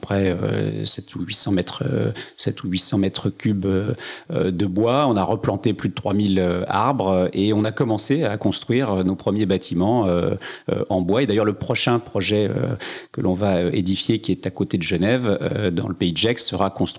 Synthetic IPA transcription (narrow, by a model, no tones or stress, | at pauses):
apχɛø̰sɛt̪ʰuɥisɑ̃mɛt̪χə̰sɛt̪uɥisɑ̃mɛt̪χəkʲybøød̪əbwaɔ̃naʁəplɑ̃t̪eplyd̪ət̪χwamiløa̰ʁbʁeɔ̃nakɔmɑ̃seakɔ̃st̪χɥiʁønopχəmjebat̪ʰimɑ̃ø̰ø̰ɑ̃bwaed̪ajœʁləpχɔʃɛ̃pχɔʒɛø̰kəlʔɔ̃vaøed̪ifjekʲiɛt̪akot̪ed̪əʒənɛvød̪ɑ̰̃ləpeid̪ʒɛkssəʁakɔ̃st̪χi